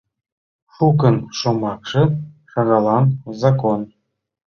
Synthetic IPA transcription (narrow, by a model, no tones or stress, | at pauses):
ʂukə̆nʃomɑkʂɤ̆ʃɑɣɑlˠɑnzɑkon